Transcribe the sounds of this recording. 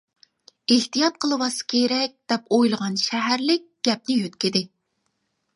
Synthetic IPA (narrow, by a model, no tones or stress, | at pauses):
eht̪ijɑt̪̚qʰəlˠɨwɑsɨ̥kʲʰeɾɛk̚ʲd̪̥ɛpojlˠəʁɑnʃæɦæɾlɪk̚ʲɡ̥ʲɛp̚nɪjøt̪kʲɪd̪ɪ